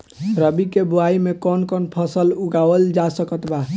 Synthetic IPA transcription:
ɾəbikebuaimekɔnkɔnpʰəsəluɡawəld͡ʒasəkət̪ba

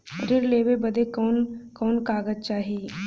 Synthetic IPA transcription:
ɾɪɾleːʋebəd̪ekɔːnkɔːnkaːɡəzt͡ʃaːɦiː

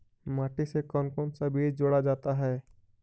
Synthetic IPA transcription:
maːʈisekɔːnkoːnsabʱiːd͡ʒd͡ʒoːɽad͡ʒaːt̪aɦɛː

